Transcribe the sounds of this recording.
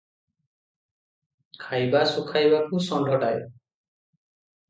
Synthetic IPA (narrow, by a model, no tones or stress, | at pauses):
kʰajbasukʰajbakusɔnɖɔʈajo̰